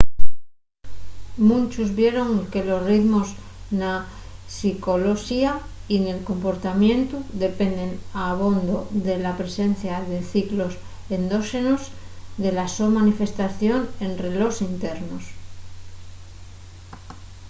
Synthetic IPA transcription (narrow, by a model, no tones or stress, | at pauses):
mũnt͡ʃuzβje̞ɾo̞ŋke̞lo̞sriðmo̞z | na | siko̞loʃiaine̞lko̞mpo̞ɾt̪amjẽ̞nt̪uðe̞pe̞nd̪e̞naβ̞o̞nd̪oðe̞lapɾe̞se̞n̟θjaðe̞θiklo̞s | end̪o̞ʃe̞nosðe̞lasomanife̞st̪aθjo̞ne̞nre̞lo̞sint̪e̞ɾnos